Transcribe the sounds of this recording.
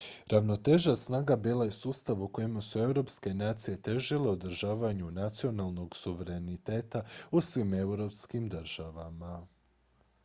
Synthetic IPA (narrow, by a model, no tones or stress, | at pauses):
ɾaʋno̞t̪e̞ʒasnaːɡabiːlajesuːst̪aʋuko̞jimasue̞wɾo̞ːpske̞naːt̪sije̞t̪e̞ʒile̞od̪r̩ɾʒaːʋaɲunat̪sio̞nalˠno̞ɡsuʋe̞ɾe̞nit̪e̞ːt̪ausʋime̞wɾo̞pskimd̪rɾ̩ʒ̥aʋama